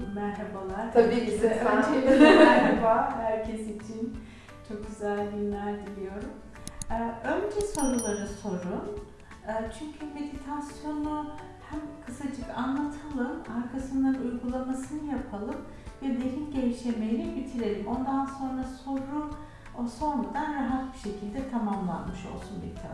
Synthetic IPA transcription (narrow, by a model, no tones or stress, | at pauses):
mæɾɦabalˠaɾt̪ʰabiisɛanʃeimæɾhabaːhæɾcʰɛsit͡ʃʰin | t͡ʃʰo̞k̚ɟyzælʲd̪inlʲæɾd̪ilʲijo̞ɾum | ɯø̞nd͡ʒɛso̞ɾulˠaɾɯso̞ɾun | ɯːt͡ʃʰyɲcʰyme̞d̪ʲit̪ʰasjo̞nu | hæmkʰɯsad͡ʒɯkanlˠat̪ʰalˠɯmaɾkʰasɯnd̪anujɡulˠamasɯnɯjapʰalˠɯm | vɛd̪eɾinɟejiʃlʲemejɾibit̪ʰiɾe̞lʲimo̞nd̪anso̞nɾaso̞ɾu | oso̞ɾmad̪anɾaɦat̪̚biʃe̞cʰilʲd̪ɛt̪ʰamamlˠa̰nmɯʃo̞̰lˠsunmed̪it̪ʰa̰